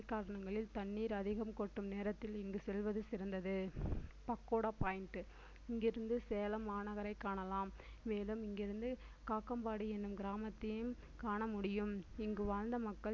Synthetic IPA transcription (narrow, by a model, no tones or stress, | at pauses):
kːaːɾɐɳɐŋɡɐɭɪlt̪ɐɳːiːɾɐðɪɣɐmkɔʈːɯmneːɾɐt̪ːɪlɪŋɡɯsɛlʋɐðɯsɪɾɐnd̪ɐðɯpɐkːoːɽaːpaːjɪɳʈɯ | ɪŋɡɪɾɯnd̪ɯseːlɐmaːɳɐɣɐɾɐɪkːaːɳɐlaːmː | eːlɯmɪŋɡɪɾɯnd̪ɯ | kaːkːɐmbaːɽiɛnːɯmɡɪɾaːmɐt̪ːɪjɯm | kaːɳɐmʊɽɪjɯmɪŋɡɯʋaːɻnd̪ɐmɐkːɐ